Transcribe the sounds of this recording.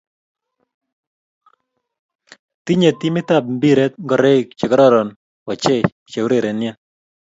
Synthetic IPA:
t̪i˦ɲe˨t̪i˦mɪ˦t̪a˨p̚m̩bi˦ɾɛ˦t̪̚ŋɡɔ˨ɾe˦˨k̚t͡ʃe˨kɔ˦ɾɔ˦ɾɔ˨n | wɔ˨t͡ʃe˦ | t͡ʃe˨wɾe˨ɾe˨nja˦n

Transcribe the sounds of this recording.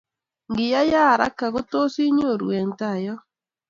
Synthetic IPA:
ŋɡɪ˨ja˦ja˦˨ɾa̰˦ka˨ɣo˦to˦si˦ɲ˦o˦˨ɾw̰ɛ˨ŋta˨jɔ˦

